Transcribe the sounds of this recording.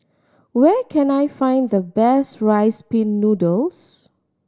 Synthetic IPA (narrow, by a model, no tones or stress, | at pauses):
wɛkʰɛ̃najfãɪ̃nd̪əbɛsɹaɪspĩnːudos